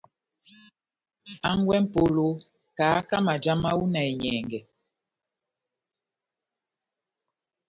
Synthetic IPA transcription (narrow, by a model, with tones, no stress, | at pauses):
a˦ŋ˦ɡwɛ˦m̩˦po˦lo˦ | ka˨˦ka˦ma˨d͡ʒa˦ma˦wu˦na˨ɛ˨ɲɛː˨ŋɡɛ˨